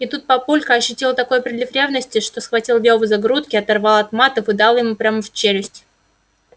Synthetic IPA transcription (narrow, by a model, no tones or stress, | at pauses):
ɪt̪ut̪̚pɐpulʲkəɐɕːʏtʲelˠət̪ɐko̞jpɾʲɪd̪lʲɪfɾʲe̞vnəsʲtʲɪʂt̪o̞sxvɐtʲilˠvʲjovəzɐɡɾut̪̚kʲɪɐt̪ɐrvɑlˠɐt̪mat̪əfɨd̪ɑlˠjɪmupɾʲaməft͡ɕeɾʲɪsʲtʲ